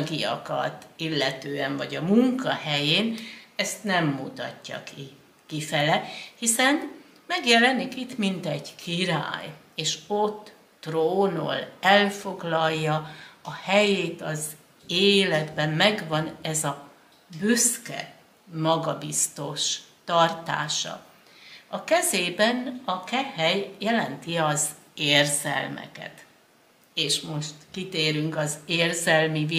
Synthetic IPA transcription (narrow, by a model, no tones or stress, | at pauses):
ɡijɒ̰kɒ̰t̪ilːɛt̪øːɛɱvɒɟɒmuŋkɒhɛjeːnɛst̪nɛmːut̪ɒ̰cːɒ̰ki | kifɛlɛhisɛn | mɛɡjɛlɛnikit̪mint̪ɛɟkʰiɾa̰ːj | eːʃo̞t̪ː | roːno̰lɛlfo̞ɡlɒjːɒːhɛjeːt̪ɒz | eːlɛd̪bɛmːɛɡʋɒnɛzɒ | bøskɛ̰ | mɒɡɒbist̪o̞ʃt̪ɒrt̪a̰ːʃɒ̰ | ɒkɛzeːbɛnɒkɛhɛjjɛlɛnt̪iɒz | eːrzɛ̰lmɛ̰kɛ̰t̪ | eːʃmoʃt̪kit̪eːɾyŋkɒzeːrzɛlmivi